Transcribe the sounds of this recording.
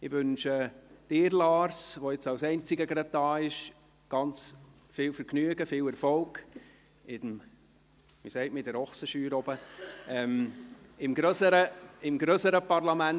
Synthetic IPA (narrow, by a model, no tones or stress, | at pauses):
ɪʋʏnʃəd̥ɪːɾlɑːɾsʋɔɪt͡sɑwsɛɪnt͡sɪɡəɡɾɑt̚tɑːɪʃ | ɡ̥ɑnt͡s | fɪːlfəɾɡnyəɡəfɪːwɛɾfɔlk | ɪdm | misɛɪtmɪdəɾɔχsəʃyːɾɔbəɛmɪmɡ̥ɾøsəɾəɪmɡɾøsəɾəpɑrlɑmæn